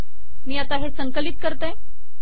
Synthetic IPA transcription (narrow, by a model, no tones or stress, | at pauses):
miːat̪aɦesəŋkəlit̪̚kəɾt̪a